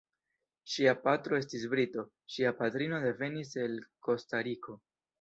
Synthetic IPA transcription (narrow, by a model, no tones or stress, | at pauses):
ʃiapatɾo̞e̞stis̬bɾito̞ | ʃiapatɾino̞de̞ve̞nise̞lko̞staɾikʰo̞